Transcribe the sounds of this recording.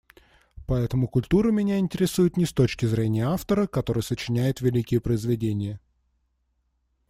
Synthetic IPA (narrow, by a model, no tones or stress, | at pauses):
pɐɛt̪əmʊkʊlʲt̪uɾɨmʲɪnʲæɪnʲtʲɪɾʲɪsujɪt̪nʲɪst̪o̞t͡ɕkʲɪzɾʲenʲɪjəaft̪əɾəkɐt̪oɾɨjəsət͡ɕɪnʲæjɪt̪vʲɪlʲikʲɪjəpɾəɪzvʲɪdʲenʲɪjə